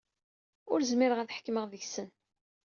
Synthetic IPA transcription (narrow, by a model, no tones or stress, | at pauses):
ʊɾzmiɾəʁæθħə̥kːməʁðəçsən